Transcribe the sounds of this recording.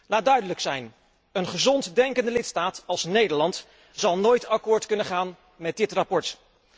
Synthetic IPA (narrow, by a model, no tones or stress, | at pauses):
laːd̚dœɥdələksɛjn | ənχəzɔntdɛŋkəndəlɪtstaːtɑlˠsnejdəɹlɑnt | z̥ɑlˠnoːjtɑkʊːɹtkɵnəχaːn | mɛdɪtrapɔɹt